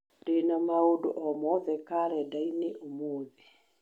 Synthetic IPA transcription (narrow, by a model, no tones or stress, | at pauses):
d̥enamaodo̰ʔɔmɔðɛkaɾɛdaineʔomoːði